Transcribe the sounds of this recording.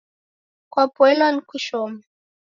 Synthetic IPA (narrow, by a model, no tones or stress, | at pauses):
kwapwɛlankuʃɔma